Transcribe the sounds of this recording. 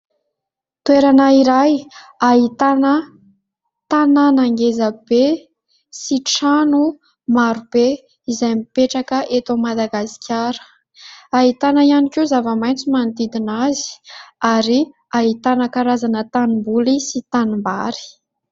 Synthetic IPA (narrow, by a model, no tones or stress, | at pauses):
t̪weɾanəiɾajaɦit̪anə | t̪ananaŋɡezəb̥e | siʈ͡ʂanu | maɾub̥e | izajmipeʈ͡ʂakəʔet̪omad̪aɡasi̥kʰʲaɾə̥ | aɦit̪anəianikezavamajnt͡simant̪id̪inazi̥aɾi | aɦit̪anəkaɾazanət̪animbulisit̪animbaɾi̥